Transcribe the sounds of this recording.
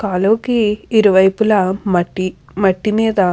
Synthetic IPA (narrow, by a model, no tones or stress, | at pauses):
kaːloːkiːɾuʋɐjpulɐmɐʈːi | mɐʈːimiːd̪ɐ